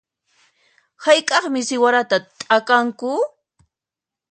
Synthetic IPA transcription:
hajkʼɑχmɪsɪwaɾat̪at̪ʼakaŋkʊ

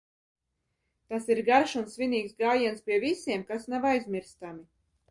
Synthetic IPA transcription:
t̪asiɾɡaɾʃunsvʲiniːksɡaːjiɛnspʲiɛvisiɛmkasnavajzmʲiɾst̪ami

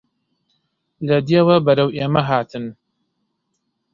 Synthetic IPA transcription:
lɐd̪iewɐbɐɾɐwʔeːmɐɦaːt̪ʰɨn

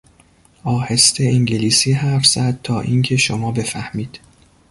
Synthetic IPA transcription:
ɒːhe̞st̪ʰeiŋɟeliːsiːɦæɾfz̥æd̪̥̚t̪ʰɒːʔiːŋcʰe̞ʃomɒːbe̞fæhmiːd̪̥

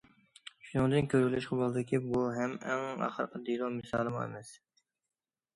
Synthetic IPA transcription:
ʃunɨŋd̪ɨnkʲʰøɾɡʲilyʃqɑbolˠɨd̪ɪkʲʰibuɦɛmɛŋɑ̰χəɾqʰɑd̪ilˠomɨsɑ̰ːlˠɨmṵḛmɛs

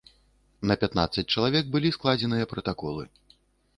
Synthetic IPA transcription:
nɐpʲat̪na̰t̪sːɐt͡s̚ʲt͡ʂɐlˠavʲɛɡ̚bɨlʲisklˠad͡zʲɛnɨjɐpɾɐt̪akɔlˠɨ

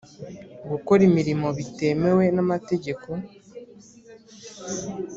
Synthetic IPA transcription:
ɡoko̞ɾimiɾimo̞βite̞me̞we̞namate̞ɟe̞ko̞

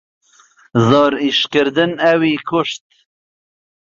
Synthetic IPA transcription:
zɔːɾiʃkəɾd̪ɨnæwiːkʰʊʃt̪̚

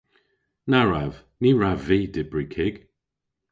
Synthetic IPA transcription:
naɹav | niɹavːiːdɪbɹikʰɪɡ̥

